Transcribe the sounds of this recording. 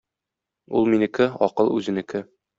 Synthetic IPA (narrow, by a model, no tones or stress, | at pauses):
ṵlˠminɘ̆kɘɒ̰qɤlˠʉ̰zɘ̆nɘ̆kɘ